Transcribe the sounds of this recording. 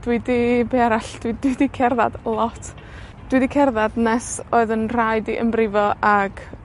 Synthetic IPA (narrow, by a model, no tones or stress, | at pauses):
d̥widibeaɾaɬd̥widwidikʰɛrða̰d̥lˠɔtʰ | d̥widikʰɛrðadnɛsoːɨðənr̥ajdiʔə̰mbrɪvɔʔaɡ̥